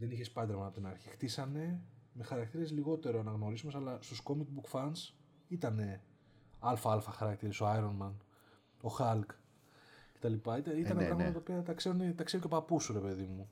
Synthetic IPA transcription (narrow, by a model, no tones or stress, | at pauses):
ðe̞niçespɐd̪e̞ɾmɐnɐpot̪inɐɾçixt̪isɐne̞me̞xɐɾɐk̚t̪iɾe̞zliɣo̞t̪e̞ɾoɐnɐɣno̞ɾisumsɐlɐst̪usko̞mik̚bukfɐns | it̪ɐne̞ | ɐlfɐɐlfɐxɐɾɐkt̪iɾe̞soajɾo̞nmɐn | o̞xɐlk | ce̞̥t̪ɐlipɐit̪ɐit̪ɐnepɾɐɣmɐt̪ɐt̪opiɐt̪ɐkse̞ɾonet̪ɐkseɾoco̞pɐpusuɾe̞pe̞ðimu